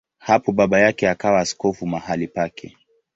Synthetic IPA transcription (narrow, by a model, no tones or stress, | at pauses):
hapɔɓaɓajakɛakawaːskɔfumahalipakʰɛ